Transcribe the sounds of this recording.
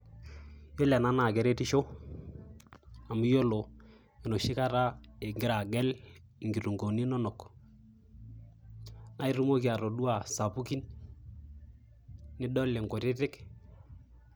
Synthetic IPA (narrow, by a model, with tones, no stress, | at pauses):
jo˦la˨na˦na˨kɛ˨ɾe˦ti˦ʃo˦ | a˨mu˦jo˦lo˨ | i˨no˨ʃi˦ka˦ɾa˦e˨ŋɡɪ˦ɾa˨ɡɛ˦l | ŋɡi˨ɾu˨ŋɡo˨ni˦nɔ˦nɔ˨k | na˦i˦ɾu˦mo˦ki˨a˨ɾo˨du˦a˨sa˨pu˦ki˦n | nɪ˦dɔ˦le˨ŋɡo˨te˦tɪ˦k